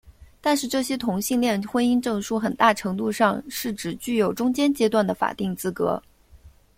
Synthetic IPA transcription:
t̪a˥˧nʂɻ̩˥˧ʈ͡ʂɤ˥˩ɕjɛ˥t̪ʰʊ˧˥ŋɕi˥˧ŋljɛ˥˧nxwə˥ni˥nʈ͡ʂɤ˥˧ŋʂu˥˩xə˨˩nt̪a˥˩ʈ͡ʂʰɤ˧˥ŋt̪u˥˧ʂɑ˥˧ŋʂɻ̩˥˩ʈ͡ʂɻ̩˨˩t͡ɕy˥˩jo˨˩ʊʈ͡ʂʊ˥ŋt͡ɕjɛ˥nt͡ɕjɛ˥t̪wa˥˩nd̪ə˩fa̰˨˩t̪i˥˩ŋt͡sɹ̩˥kɤ̰˧˥

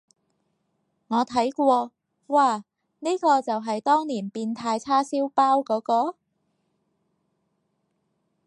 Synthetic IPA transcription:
ŋɔː˨˧t̪ʰɐ˨˥jkʷɔː˧ | waː˧ | niː˥kɔː˧t͡sɐ˨wɦɐ˨jt̪ɔː˥ŋniː˨˩npiː˧nt̪ʰaː˧jt͡sʰaː˥siː˥wpaː˥wkɔː˨˥kɔː˧

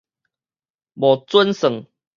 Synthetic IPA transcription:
bɔ˨t͡swə˦nsə˨˩ŋ

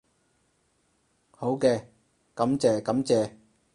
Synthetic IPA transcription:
ho˨˥wkɛː˧ | kɐ˨˥mt͡sɛː˨˧kɐ˨˥mt͡sɛː˨˧

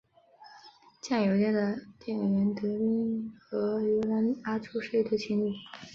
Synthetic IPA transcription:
t͡ɕjɑ˥˩ŋjo˨˧ʊt̪jɛ˥˩nd̪ə˩t̪jɛ˥˩˨ɥɛ˧˥nt̪ɤ˧˥pi˥ŋxɤ˧˥ɥɛ˧˥la˧˥na˥ʈ͡ʂʰu˥ʂe˥˩ɪt̪ʰɤ˥t͡ɕʰi˥ŋli˥˩

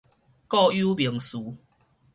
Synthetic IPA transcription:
kɔ˥˧ju˦bji˨˩˦ŋsu˨˦

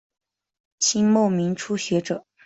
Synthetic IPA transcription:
t͡ɕʰi˥nmo˥˩ʊmi˧˥ŋʈ͡ʂʰu˥ɕɥɛ˧˥ʈ͡ʂɤ˨˩˦

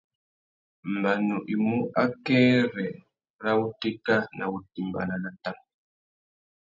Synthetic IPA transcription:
m̩˨ba˨nu˨ʔi˨mu˦ʔa˦kɛ˦ɾɛ˨ | ɾa˦u˦ti˦ka˦na̰˨u˨ti˨mba̰˨na˨na˨ta˦˨ŋ

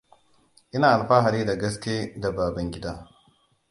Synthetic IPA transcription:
ʔɪ˦naː˨ʔa˨lɸaː˦ɦa˨ɾiː˦da˨ɡɐ˦skʲeː˦da˨baː˨bɐ˦ŋɡʲɪ˦daː˦

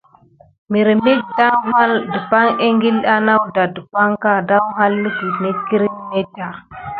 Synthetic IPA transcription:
mi˨ɾi˨me˦k̚da˦wɦa˦ldə˨pa˦ŋe˦ŋɡi˦la˦na˦wda˨də˨pa˦ŋka˦da˦wɦa˦lːə˦ki˨ne˦t̚ki˦ɾi˦n˦me˦ta˨

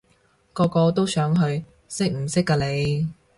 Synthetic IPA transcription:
kɔː˧kɔː˧t̪o˥wsœː˨˥ŋɦɵ˧ɥ | sɪ˥k̚m̩˨˩sɪ˥kːaː˧le˨˧j

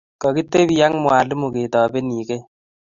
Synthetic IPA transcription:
kɔ˨ki˦tːe˦bi˦ja˦ŋmwaː˨lɪ˦mu˨ke˨tɔ˨be˦niː˨ke˦

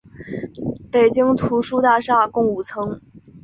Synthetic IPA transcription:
pe˨˩ɪt͡ɕi˥ŋt̪ʰu˧˥ʂu˥t̪a˥˧ʂa˥˩kʊ˥˧ŋu˨˩t͡sʰɤ˧˥ŋ

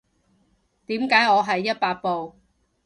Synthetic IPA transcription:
t̪iː˨˥mkaː˨˥jŋɔː˨˧ɦɐ˨jːɐ˥t̚paː˧t̚po˨w

